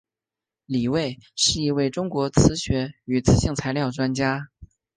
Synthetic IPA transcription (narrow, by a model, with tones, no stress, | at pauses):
li˨˩we˥˧ɪʂɻ̩˥˩i˧˥we˥˩ɪʈ͡ʂʊ˥ŋkwɔ˧˥t͡sʰɹ̩˧˥ɕɥɛ˧˥y˨˩t͡sʰɹ̩˧˥ɕi˥˩ŋt͡sʰa˧˥ɪljɑ˥˩ʊʈ͡ʂwa˥nt͡ɕja˥